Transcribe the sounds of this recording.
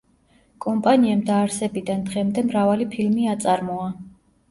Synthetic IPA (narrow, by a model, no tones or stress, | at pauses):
kʼɔmpʼaniamd̪aːɾsɛbid̪and̪ʁɛmd̪ɛmɾavalipʰilmiat̪sʼaɾmɔa